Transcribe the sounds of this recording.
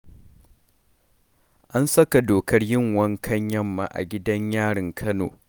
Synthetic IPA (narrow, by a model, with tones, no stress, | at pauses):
ʔa˦nsɐ˦ka˨doː˨kʰɐ˦rjɪ˦ŋwɐ˦ŋkʰɐ˦ɲjɐ˦mːa˨ʔa̰˨ɡʲɪ˦dɐ˦ɲjaː˦ɽɪ˨ŋkʰɐ˦no̰ː˨